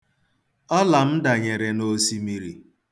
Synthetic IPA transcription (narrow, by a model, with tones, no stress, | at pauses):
ɔ˦la˨m̩˦da˨ɲe˨ɾe˨no˦si˦mi˦ɾi˨